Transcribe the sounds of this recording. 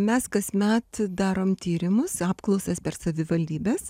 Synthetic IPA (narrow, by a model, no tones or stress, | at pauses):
mʲɛskɐsmʲɛt̪d̪ɑːɾoːmt̪ʲiːɾʲɪmʊsɑːpklˠɐʊsɐspʲɛrsɐʋʲɪʋɐlʲd̪ʲiːbʲeːs